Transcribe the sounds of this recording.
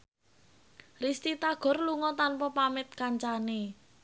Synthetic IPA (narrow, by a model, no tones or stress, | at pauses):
rist̪it̪aɡ̥ɔ̤rluŋɔt̪anpɔpamɪt̪̚kaɲt͡ʃane